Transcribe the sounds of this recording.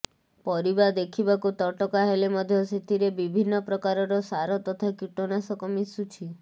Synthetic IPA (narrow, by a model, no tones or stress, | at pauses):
pɔɾibad̪ekʰibakut̪ɔʈɔkaɦelemɔd̪ʱjɔset̪iɾebibʱinːɔpɾɔkaɾɔɾɔsaɾɔt̪ɔt̪ʰakiʈonasɔkɔmisut͡ʃʰi